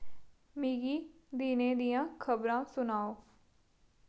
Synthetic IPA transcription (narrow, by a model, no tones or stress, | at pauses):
miːɡiːd̪iːneːd̪ijãːkʰəbɾãːsʊnaːoː